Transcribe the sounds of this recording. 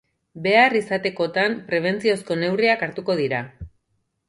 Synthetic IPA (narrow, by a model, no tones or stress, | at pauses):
be̞arisat̪e̞ko̞t̪ampɾe̞β̞e̞nt͡sio̞sko̞ne̞wriakaɾt̪uko̞ð̞iɾa